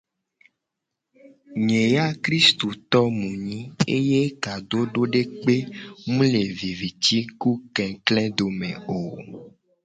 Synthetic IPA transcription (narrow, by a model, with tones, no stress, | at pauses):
ɲẽ˨ja˦kɾi˦st̪o˨t̪ɔ˦mũ˨ɲĩ˦e˦je˦ka˨do˦ɖo˦ɖe˦k͡pe˦mũ˦le˨vi˨vi˨t̪i˦ku˦kɛ̃˨klɛ̃˦d̪o˨mḛ̃˨o˨